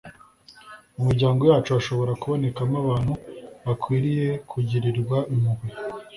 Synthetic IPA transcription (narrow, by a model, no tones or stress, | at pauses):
umuɾɟaːŋɡo̞jaːt͡ʃuaʃo̞βo̞ɾakuβo̞ne̞kamaβaːn̥huβakwiːɾije̞kʰuɟiɾiɾɡwaʔimuɡwe